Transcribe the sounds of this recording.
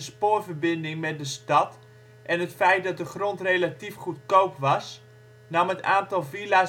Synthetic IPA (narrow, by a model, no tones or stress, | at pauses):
əspoːrvərbɪndɪŋmɛt̚dəstɑt | ʔɛnɦətfɛjt̚dɔt̚dəχrontrejlatifχutkowpʋɑs | nɑmətaːntɔlˠvila